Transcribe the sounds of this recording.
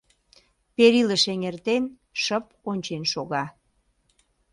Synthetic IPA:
peɾiləʃeŋert̪en | ʃəp | onʲt͡ɕenʃoɣɑ

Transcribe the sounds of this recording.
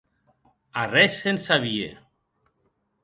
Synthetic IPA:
arɛsːensaβiḛ

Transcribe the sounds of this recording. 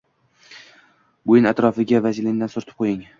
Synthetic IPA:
bʊjɪnat̪ɾɒfɪɡʲavazlɪnd̪ansʊɾt̪ʰɪ̥p̚qʰojɪŋ

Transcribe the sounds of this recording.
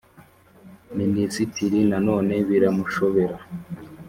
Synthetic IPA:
minisitiɾinano̞ːne̞βiɾamuʃoβe̞ɾa

